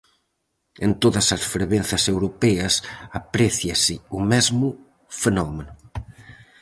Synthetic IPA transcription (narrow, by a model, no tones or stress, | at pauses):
ent̪oðɐsɐsfɾeβenθɐsewɾopɛɐsapɾɛθjɐsɪumɛzmu | fenɔmenʊ